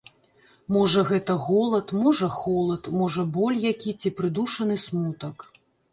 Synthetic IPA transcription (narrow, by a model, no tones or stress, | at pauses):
mɔʐɐɣɛt̪ɐɣɔlˠɐt̪mɔʐɐxɔlˠɐt̪mɔʐɐbɔlʲjakʲit͡sʲipɾɨd̪uʂɐnɨsmut̪ɐk